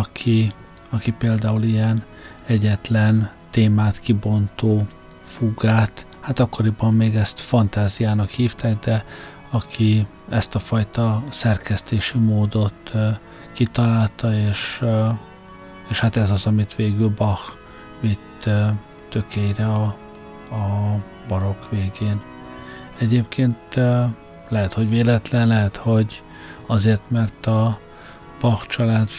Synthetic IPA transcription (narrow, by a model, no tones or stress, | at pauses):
ɒkʰi | ɒkipeːld̪aːulijɛn | ɛɟɛt̪lɛnt̪eːmaːt̪kibo̞nt̪oː | fuɡaːt̪ | hat̪ɒkːo̞ɾibɒmːeːɡɛst̪fɒnt̪aːzijaːnɒkhiːft̪aːɡd̪ɛ | ɒkʰi | ɛst̪ɒfɒjt̪ɒsɛrkɛst̪eːʃimoːd̪o̞t̪ | kit̪ɒlaːlt̪ɒeːʃ | eːʃhat̪ɛzɒzɒmit̪ʋeːɡylbɒx | vit̪ː | t̪ø̞kejrɛɒ | ɒ | bɒɾo̞kʋeːɡeːn | ɛɟeːpkʰeːnt̪ | lɛɦɛt̪ho̞ɟveːlɛt̪lɛnlɛɦɛt̪ho̞ɟ | ɒzeːrt̪mɛrt̪ɒ | b̥ɒxt͡ʃɒlaːt̪